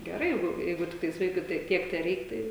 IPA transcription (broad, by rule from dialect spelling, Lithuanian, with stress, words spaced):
ɡʲɛˈrɐɪ ˈjɛɪɡʊ ˈjɛɪɡʊ ˈtʲɪktɐɪs ˈʋɐɪkʊɪ tɐɪ ˈtʲiɛk tʲɛˈrʲɛɪk ˈtɐɪ